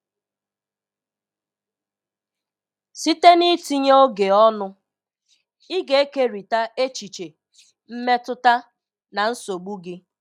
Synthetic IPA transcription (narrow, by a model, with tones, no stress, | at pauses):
si˦te˦ni˦ti˦ɲ˦o˦ɡe˨ɔ˦nʊ˦ | i˦ɡe˨e˦ke˦ɾi˨ta˦ʔe˦t͡ʃi˨t͡ʃe˨ | m̩˦me˦tʊ˦ta˦ | na˨n̩˦so˨ɡ͡bu˦ɡɪ˦